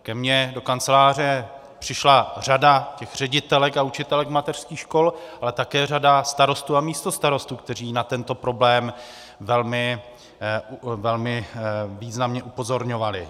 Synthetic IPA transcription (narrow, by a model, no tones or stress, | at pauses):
kɛmɲɛdo̞kant͡sɛlaːr̝ɛ | pr̝̥ɪʃlar̝adacɛxr̝̥ɛɟɪt̪ɛlɛkaut͡ʃɪt̪ɛlɛkmat̪ɛr̥skiːxʃko̞lʔalɛt̪akɛːradast̪aɾo̞st̪uːamiːst̪o̞st̪aɾo̞st̪uːk̚t̪ɛriːnat̪ɛnt̪o̞pɾo̞blɛːm | vɛlmɪ | vɛlmɪviːznamɲɛʔupo̞zo̞ɾɲo̞valɪ